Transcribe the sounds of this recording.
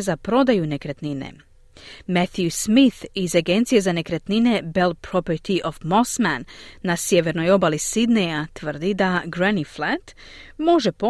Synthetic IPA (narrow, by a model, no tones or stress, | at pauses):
zapɾo̞d̪ajune̞kɾet̪ninḛ | met̪jusmiθizaɡe̞nt̪sije̞zane̞kɾet̪nine̞be̞lpɾo̞pərt̪iʔofmo̞smanːasje̞ʋe̞ɾno̞jo̞balisid̪nejat̪ʋr̩d̪id̪aɡɾeniflat̪ | mo̞ʒe̞po